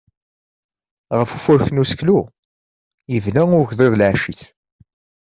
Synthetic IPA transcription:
ʁəfufʊɾçənusklu | jəvnæŋʊɾʝðˤeðˤlʕaʃiθ

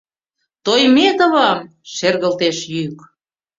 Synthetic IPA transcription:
t̪ojmet̪oβɑm | ʃerɣə̆lt̪eʃjyk

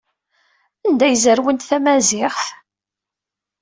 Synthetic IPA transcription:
ænd̪æjəzəɾwənt̪θæmæzɪχθ

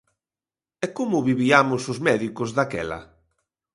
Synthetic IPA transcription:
ɛkomʊβiβiamʊsʊzmɛðikʊzðakɛ̰lɐ̰

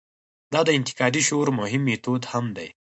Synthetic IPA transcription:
d̪ɑd̪əɪnt̪ɪ̥kɑd̪iʃoɾmʊɦɪmːet̪od̪hamd̪ḛj

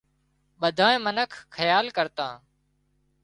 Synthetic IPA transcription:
ɓəd̪ʱaːẽːmənəkʰxʰəjaːlkəɾt̪ãː

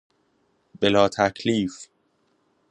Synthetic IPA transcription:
b̥elɒːt̪ʰækʰliːf

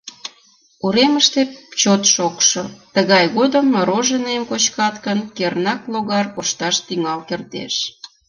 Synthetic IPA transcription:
uɾeməʃt̪et͡ɕot̪ʃokʃot̪əɣɑjɣod̪əmːɾoʒənemkot͡ɕkɑt̪kənkernɑkloɣɑrkoʃt̪ɑʃt̪yŋɑlkert̪ḛʃ

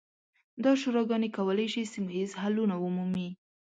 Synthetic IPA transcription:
d̪ɑʃuɾɑɡɑnekawəlajʃisimoizhalunaʊmumi

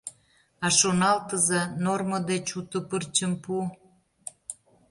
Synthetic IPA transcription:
ɑʃonɑlt̪əzenorməd̪et͡ɕut̪opərt͡ɕəmpu

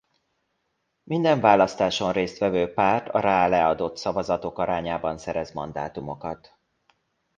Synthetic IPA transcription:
mind̪ɛɱvaːlɒst̪aːʃo̞nreːst̪vʋɛvøːpaːrt̪ɒ̰ɾaːlɛɒd̪o̞t̪sɒvɒzɒt̪o̞kɒɾaːɲaːbɒnsɛɾɛzmɒnd̪a̰ːt̪umo̞kɒt̪

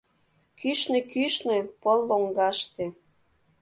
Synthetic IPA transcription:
kyʃnekyʃnepəlːoŋɡɑʃt̪e

